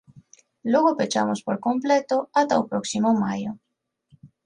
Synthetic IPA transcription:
loɣopet͡ʃa̰mospoɾkomplet̪oat̪aopɾoksimomajo

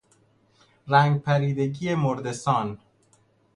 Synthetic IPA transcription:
ɾæːŋɡ̚pʰæɾiːd̪eɟijemoɾd̪esɒːn

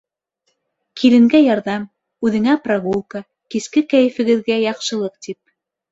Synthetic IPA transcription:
kʰilɘ̆ŋɡæjɑɾðɑm | ʉðɘ̆ŋæpraɣulˠka | kiskɘkæjɘ̆fɘ̆ɡɘ̆ðɡæjɑqʃɤ̆lˠɤq̚t̪ip̚

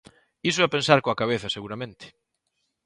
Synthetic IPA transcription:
isoɛapẽnsaɾkoakaβ̞eθaseɣuɾamẽnt̪ɪ̥

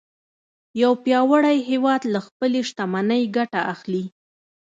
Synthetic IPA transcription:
jawpjɑwaɽajɦewɑd̪laxpəleʃt̪amanəjɡaʈaʔaxli

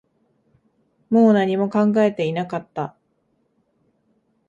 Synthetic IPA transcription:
mo̞ːnaɲ̟imo̞kãŋɡae̞t̪e̞inakat̪ːa

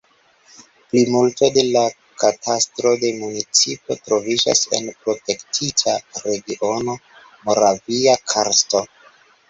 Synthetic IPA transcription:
plimulto̞de̞la | katʰastɾo̞de̞munit͡sipo̞tɾo̞vid͡ʒa̰se̞̰npɾo̞te̞ktʰitʰaɾe̞ɡiʔo̞no̞ | mo̞ɾaviakʰaɾsto̞

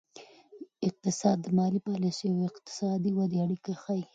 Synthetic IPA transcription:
ɪq̚t̪ɪsɑd̪ːəmɑlipɑlisiawɪqt̪ɪ̥sɑd̪iwad̪eaɽikaxaj

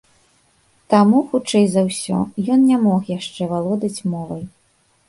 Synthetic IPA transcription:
t̪amuxut͡ʂɛjzɐwsʲɔ̰jɔnnʲamɔxjaʂt͡ʂɛvalˠɔd̪ɐt͡sʲmɔvɐj

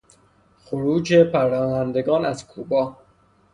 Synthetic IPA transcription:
xoɾuːd͡ʒepʰæɾɒːhænd̪e̞ɡɒːnæz̥kʰuːbɒː

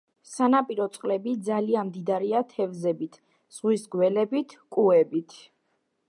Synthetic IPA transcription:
sanapʼiɾɔt̪sʼqʼlɛbid̪zalianmd̪id̪aɾiat̪ʰɛvzɛbit̪ʰ | z̥ʁwisɡwɛlɛbit̪ʰkʼuɛbit̪ʰ

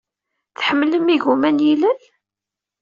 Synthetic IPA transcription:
θħəmːləmiʝumænjilæl

